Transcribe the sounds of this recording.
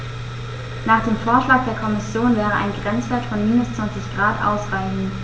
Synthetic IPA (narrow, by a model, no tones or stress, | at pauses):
naːχd̥eːmfoːɐʃlaːk̚d̥eːɐkʰɔmɪsjoːnvɛːʁəʔa̰ɪnɡʁɛnt͡sv̥eːɐtfɔnmiːnʊst͡sv̥ant͡sɪçɡ̥ʁaːtʔa̰ʊsʁaɪçn̩